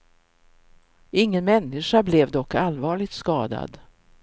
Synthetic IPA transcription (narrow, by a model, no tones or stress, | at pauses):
ɪŋːənmɛnːɪʂablɛvd̪ɔkːalvɑːɭɪɡt̪skɑːd̪a̰d̪